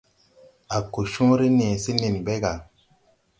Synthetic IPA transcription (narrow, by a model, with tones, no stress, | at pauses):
a˨ko˨ʃũ˦ɾi˦nẽ˨si˦ni˨nbe˦ɡa˨